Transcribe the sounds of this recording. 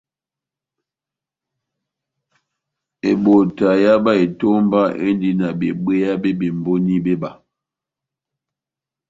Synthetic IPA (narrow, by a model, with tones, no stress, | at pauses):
e˨ɓo˨ta˨ja˦ba˦e˨to˦m˦ba˦ʔḛ˦n˦di˦na˨bḛ˨ɓe˦ja˦be˦be˨m˨bo˦ni˦be˦ba˨